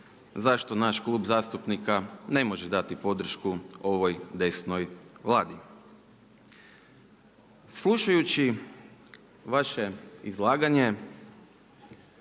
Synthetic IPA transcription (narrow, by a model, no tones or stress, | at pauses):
zaʃt̪o̞naʃklˠuːbzaːst̪upnikane̞mo̞ʒed̪at̪ipo̞d̪r̩ʃkuo̞ʋojd̪e̞sno̞jʋlˠaːd̪i | slˠuʃajut͡ɕi | ʋaʃe̞izlˠaːɡaɲe̞